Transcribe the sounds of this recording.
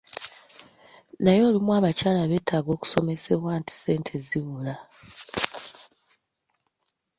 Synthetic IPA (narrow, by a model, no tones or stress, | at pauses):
najo̞ːlimwaːβacaːlaβe̞ːtʰaɡo̞ːku̥so̞me̞se̞βwaːnti̥se̞ːntʰe̞ziβula